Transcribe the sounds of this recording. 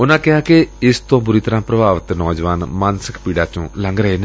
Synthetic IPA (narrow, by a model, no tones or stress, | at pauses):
ʊnãːkɪɦaːkeɪst̪õːbʊɾiːt̪əɾãːpɾəbaːʋət̪nɔːd͡ʒʋaːnmaːnsə̥kʰpiːɖaːt͡ʃõːləŋɡɾəɦeːneː